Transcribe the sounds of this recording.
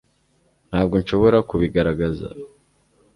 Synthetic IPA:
n̥haːb̚ɡo̞nʃo̞βo̞ɾakuβiɡaɾaɡaza̰

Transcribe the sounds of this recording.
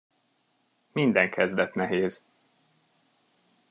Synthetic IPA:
mind̪ɛŋkʰɛzd̪ɛt̪nɛɦeːz

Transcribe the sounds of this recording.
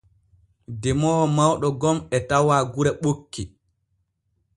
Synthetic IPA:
dɛmɔːmawɗɔɡɔmɛtawaɡuɾɛɓokːi

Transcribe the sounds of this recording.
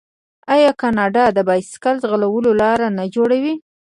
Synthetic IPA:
ɑjɑkɑnɑɖɑd̪əbɑjsɪ̥kalzɣalawəlolɑɾanad͡ʒoɽawi

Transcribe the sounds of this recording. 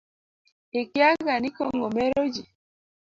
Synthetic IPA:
ekjaɡanikoŋɡomeɾod͡ʒi

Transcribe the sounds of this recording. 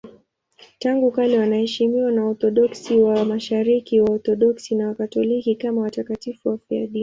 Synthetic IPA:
taŋɡukalɛwanahɛʃimiwanaɔθɔɗɔksiwamaʃaɾikiwaɔθɔɗɔksinawakatɔlikikamawatakatifuwafia̰ɗi

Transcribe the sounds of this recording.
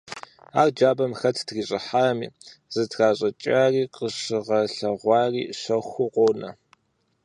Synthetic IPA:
aːrd͡ʒaːbɐmxɐtʰtriːɕʼɪħaːmḭːz̥ɨtʰxaːɕʼɐt͡ʃʼaːriːqəʂɨʁɐɬɐʁʷɑːriːɕɐxʷʊqʷʼonɐ̰

